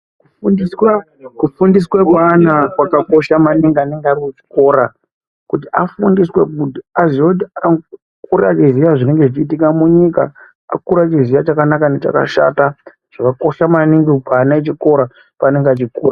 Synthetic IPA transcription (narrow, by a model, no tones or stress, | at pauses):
kuuniswa | kufundis̬wekwaːnakwakako̞ʃamaniŋɡianeŋɡaɾikut͡ʃi̥ko̞ɾa | kutiʔafundiswe̞kuaziotia | kuɾat͡ʃizijaʐine̞ŋɡe̞ʐit͡ʃiːtikamuɲika̰ | a̰kuɾat͡ʃiziʋat͡ʃakanakane̞t͡ʃa̰ka̰ʃa̰ta | ʐakako̞ʃamaniŋɡipaːnaet͡ʃiko̞ɾa | paːne̞ŋɡeat͡ʃikuːra